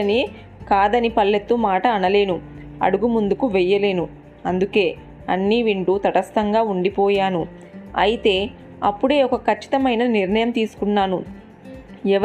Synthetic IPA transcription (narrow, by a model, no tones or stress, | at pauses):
ɐni | kaːd̪ɐnipɐlːet̪ːumaːʈɐːnɐle̞ːnu | ɐ̰ɽuɡumund̪ukuʋɛjːɐle̞ːnu | ɐnd̪uke̞ː | ɐ̰nːiːʋiɳʈut̪ɐʈɐst̪ɐŋɡaːuɳɖipɔːjaːnu | ɐ̰jit̪e̞ː | ɐpːuɽe̞ːɔkɐkʰɐt͡ʃːi̥t̪ɐmɐjnɐniɾnɐjɐmt̪iːsu̥kunːaːnu | ɛʋɐ